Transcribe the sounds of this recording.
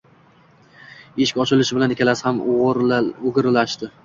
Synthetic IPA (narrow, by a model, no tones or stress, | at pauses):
eʃɪ̥kʲɒt͡ʃʰɪlɪʃɪbɪlanɪkʲʰalasɪham | ʊɡʲɪɾɪlaʃt̪ɪ